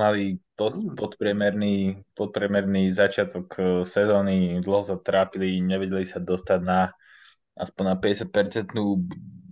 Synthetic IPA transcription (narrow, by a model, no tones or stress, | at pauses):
malipɔpɔt̪pɾɪɛmɛɾniːpɔt̪̚pɾɛmɛɾnizat͡ʃɪat̪ɔksɛzɔːnid̪l̩ɦɔsat̪ɾaːpiliɲɛʋɛɟɛlisad̪ɔst̪aɟna | a̰spɔɲnapɛɟɛsjat̪̚pɛɾt͡sɛnt̪nuː